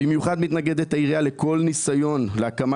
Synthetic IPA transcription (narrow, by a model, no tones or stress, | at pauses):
imjuχad̪mit̪naɡe̞d̪et̪aiʁiale̞kʰo̞lnisajo̞nleakama